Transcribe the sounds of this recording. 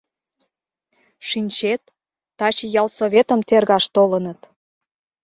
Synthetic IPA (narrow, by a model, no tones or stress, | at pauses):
ʃinʲt͡ɕet̪ː | ɑt͡ɕijɑlsoβʲet̪ə̆mt̪erɣɑʃt̪olənə̆t̪